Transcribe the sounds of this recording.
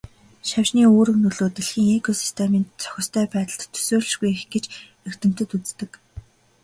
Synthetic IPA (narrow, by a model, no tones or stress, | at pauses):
ʃawʃniːoːɾɵ̆knɵɮoːt̪eɮxiːŋekʰɔsi̥st̪ʰemiːnt͡sʰœ̥xʲɪ̆st̪ʰœːpæːt̪ə̆ɬt̪ʰːɵ̥soːɮ̆ʃɣujexɡet͡ɕ | er̥t̪ɘ̆m̥t̪ɘ̆t̪ut͡st̪ɘ̆k